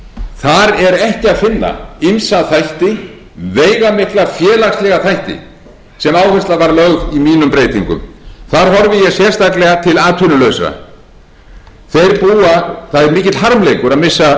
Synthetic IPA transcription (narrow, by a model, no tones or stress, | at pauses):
θaɾɛɾɛhcɪaðfɪnːa̰imsaθajht̪ɪ | veːjɣamɪhklafjɛːlaxslɛɣaθajht̪ɪ̰ | sɛmaːwhɛnst̪lavaɾlœɣɣimiːnʏmpɾeːjt̪iŋkʏ̰mθaɾ̥ɦɔɾvɪjɛsjɛr̥st̪aklɛɣat̪ʰɪlaːt̪ʰʏnʏlœɥsa̰ | θejɾpuːaθaðɪɾmɪːcɪt̪l̥ɦaɾmlejkʏɾaðmɪsːa